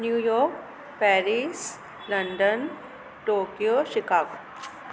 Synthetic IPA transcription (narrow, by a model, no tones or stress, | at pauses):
njuːjɔːɾk | pɛːɾis | lɐ̃ɳɖən | ʈoːkijoːʃɪkaːʋ